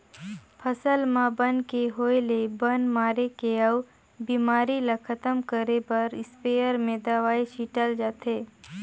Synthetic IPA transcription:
pʰəsəlmãbənkeɦoːelebənmaːɾekeɐw | biːmaːɾilakʰɐt̪əmkəɾepɐɾɪspeːəɾmẽd̪aʋaːiʃiʈəld͡ʒaːt̪eː

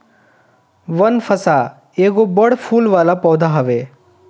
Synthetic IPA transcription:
ʋənfʰəsa | eːɡobəɽpʰuːlʋaːlapɔʋd̪ʱaɦəʋe

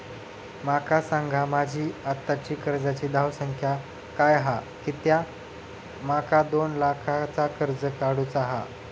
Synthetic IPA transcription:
makasaŋɡʱamad͡ʑʱiːat̪ːat͡ɕiːkəɾd͡zat͡ɕiːd̪ʱawsəŋkʰja | kajɦa | kit̪ja | makad̪onlakʰat͡sakəɾd͡zəkaɽut͡saɦa̰

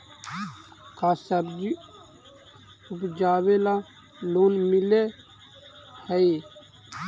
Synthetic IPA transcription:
kʰasəbd͡ʒi | upd͡ʒaːwela | loːnmɪle | həi

